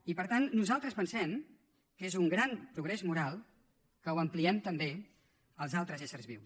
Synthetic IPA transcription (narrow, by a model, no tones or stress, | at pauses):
ipəɾt̪anːuzalˠt̪ɾəspənsɛm | kezuŋɡɾanpɾuɣɾɛzmuɾalˠ | kəwəmpliɛmt̪əmbe | əlˠzalˠt̪ɾəzesəɾzβiw